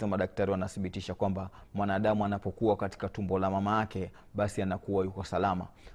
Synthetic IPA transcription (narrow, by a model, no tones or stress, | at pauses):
amaɗak̚taɾiwanaθiɓitiʃakwamba | mwanaːɗamuanapɔkuwakati̥katumbɔlamamajakɛ | ɓasianakuwajukɔsalama̰